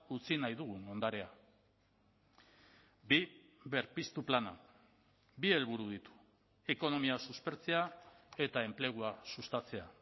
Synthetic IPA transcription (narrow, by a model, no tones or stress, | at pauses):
ut͡sinajðuɣ̞uno̞nd̪aɾe̞a | bi | βe̞ɾpist̪uplana̰ | bie̞lβuɾuð̞it̪u̥ | e̞ko̞no̞miasuspe̞ɾt͡se̞ae̞t̪ae̞mple̞ɣ̞uasust̪at͡se̞a